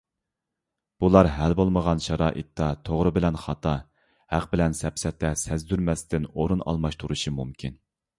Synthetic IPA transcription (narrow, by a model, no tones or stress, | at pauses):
b̥ulˠɑɾɦælbolˠməʁɑnʃɑɾɑ̰ːʔḭt̪ːɑt̪ʰoʁɾɨbɪlɛnχɑt̪ʰɑ | hæqbɪlɛnsɛpsɛt̪ʰːɛsɛzd̪yɾmɛst̪ʰɪnoɾunɑ̰lˠmɑʃt̪ʰuɾuʃimumkʲʰin